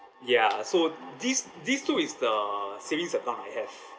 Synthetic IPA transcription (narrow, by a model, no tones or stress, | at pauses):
jasodis | distuisdəsevĩŋsɛp̚lãŋa̰jhɛv